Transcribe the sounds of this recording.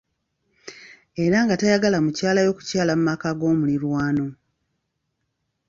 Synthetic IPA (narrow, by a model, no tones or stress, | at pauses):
e̞ɾaŋɡatajaɡalamucaːlajo̞ːku̥caːlamumakaɡo̞ːmuliɾwaːno̞